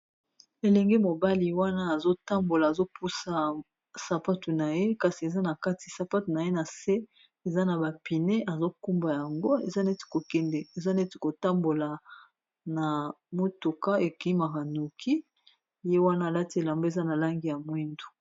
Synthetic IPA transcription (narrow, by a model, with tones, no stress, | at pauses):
e˨lɛ˨ŋɡe˦mo˨ba˦li˨wa˦naː˦˨zo˦ta˦mbo˨laː˨zo˦pʰu˦sa˦ | sa˨pa˦tu˨na˨je˦ka˨si˨e˨za˦na˨ka˦ti̥˨sa˨pa˦tu˨na˨je˦na˨se˦ | e˨za˦na˨ba˨pi˨ne˦ʔa˨zo˦ku˦mba˨ja˨ŋɡo˦ḛ˨za˦nɛ˦ti̥˨ko˨kɛ˦ndɛ˨e˨za˦nɛ˦ti̥˨ko˨ta˦mbo˨la˨ | na˨mo˦tu˨ka˦e˨ki˦ma˨ka˨nu˨kʰi˦ | je˦wa˦naː˦˨la˦ti˦e˨la˨mbo˦e˨za˦na˨la˦ŋɡi˦ja˨mwi˦ndu˨